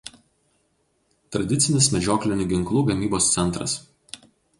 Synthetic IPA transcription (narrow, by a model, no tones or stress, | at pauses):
t̪ɾɐd̪ʲɪt̪sʲɪnʲɪsmʲɛd͡ʒʲoːklʲɪnʲʊɡʲɪŋklˠuːɡɐmʲiːboːst̪sʲɛnˑt̪ɾɐ̰s